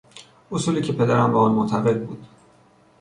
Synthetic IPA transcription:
ʔosuːliːcʰepʰe̞d̪æɾæmbæɔnmot̪ʰæɣe̞d̪̚bṵːd̪̥

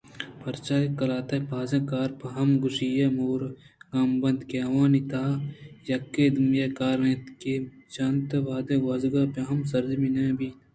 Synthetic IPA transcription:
pɐɾt͡ʃaːkɐlaːt̪ɐpaːzẽkaːɾpɐɦɐmɡusijɐmoːɾ | kaːmbɐnd̪keɐʋaːnit̪ʰaːjɐkːed̪umjekaːɾnet̪ket͡ʃɐnt̪ɐʋaːd̪ẽwɐzɡapeɦɐmsɐɾd͡ʒminebi

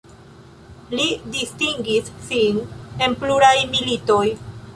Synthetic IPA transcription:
lidistiŋɡisːine̞npluɾajmilito̞j

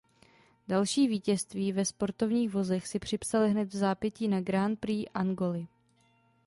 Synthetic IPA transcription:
dalʃiːviːcɛst̪viːvɛspo̞ɾt̪o̞vɲiːxvo̞zɛxsɪpr̥ɪpsalɪɦnɛt̪vzaːpjɛciːnaɡɾant̪̚pɾiːʔaŋɡo̞lɪ

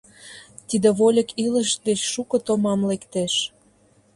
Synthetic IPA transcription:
t̪id̪ĕβolʲə̆kiləʃd̪et͡ɕʃukɤ̆t̪omɑmlekt̪eʃ

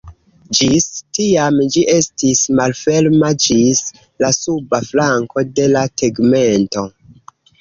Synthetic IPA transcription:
d͡ʒistiamd͡ʒiʔe̞stismalfe̞lmad͡ʒis | lasubaflaŋko̞de̞lateɡme̞nto̞

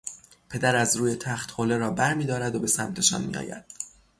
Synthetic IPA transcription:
pʰe̞d̪æɾæzɾuːje̞t̪ʰæχt̪holeɾɒːbæɾmiːd̪ɒːɾæd̪obe̞sæmt̪ʰe̞ʃɒ̰nmḭjɒ̰ːjæ̰d̪̥

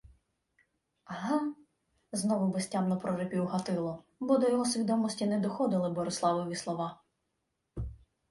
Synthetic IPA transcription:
ɐɦɑ | znɔʋʊbesʲtʲamnɔpɾɔɾepʲiwɦɐt̪ɪlˠɔ | bɔd̪ɔjɔɦɔsʲʋʲid̪ɔmɔsʲtʲinɛd̪ɔxɔd̪ɪlˠɪbɔɾɪslˠɑʋɔjʋʲislˠɔʋɑ

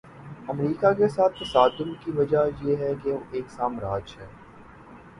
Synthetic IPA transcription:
ɐmɾiːkakesaːt̪̚ʰt̪ɐsaːd̪ʊmkiʋɐd͡ʒajeːɦɛkeoʔeːksaːmɾaːd͡ʒɦɛː

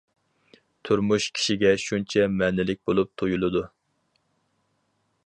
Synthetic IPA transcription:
t̪ʰuɾmuʃkʲʰi̥ʃiɡʲɛʃunt͡ʃʰɛmɛnɪlɪk̚ʲbolˠup̚t̪ʰojulˠɨd̪u

